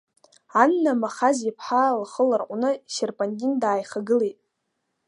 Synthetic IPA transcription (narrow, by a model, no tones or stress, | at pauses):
anːamaχazipʰħalχəlarqʷʼunɨʃerpʼandʲindaːjχaɡɨlejtʼ